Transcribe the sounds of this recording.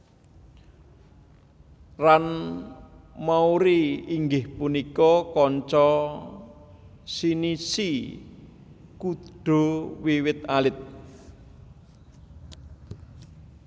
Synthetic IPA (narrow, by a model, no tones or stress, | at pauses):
ran | mauɾiiŋɡɪhpunikɔkɔɲt͡ʃɔ | sinisi | kuɖ̥o̤wiwɪt̪̚alɪt̪̚